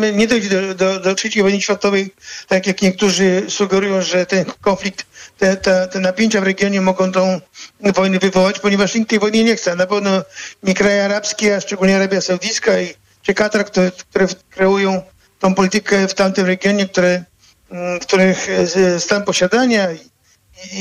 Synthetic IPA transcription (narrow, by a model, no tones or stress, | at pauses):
ɲɛd̪ɔjd͡ʑd̪ɔd̪ɔd̪ɔfʂɛt͡ɕejvɔjnɘɕfʲjat̪ɔvɛjt̪akʲjakɲɛk̚t̪uʐɘsuɡɛɾujɔ̃w̃ʐɛt̪ɛnkɔnflʲik̚t̪ːɛt̪at̪ɛnapʲjeɲt͡ɕavɾɛɡjɔɲɛmɔɡɔ̃w̃t̪ɔ̃w̃vɔjnɛvɨvɔwat͡ɕpɔɲɛvaʂɲint̪ːɛjvɔjɲɛɲɛxt̪sɛnapɛvnɔɲikɾajɛaɾapskʲiaʂt͡ʂɛɡulɲɛaɾabʲjasɔwd̪iskai | t͡ʂɨkat̪ɾkt̪uk̚t̪uɾɛkɾɛujɔ̃w̃ | t̪ɔ̃w̃pɔlʲit̪ɘkɛft̪amt̪ɪmɾɛɡʲjɔɲɛk̚t̪uɾɛ | fkt̪uɾɪxst̪ampɔɕad̪aɲai | i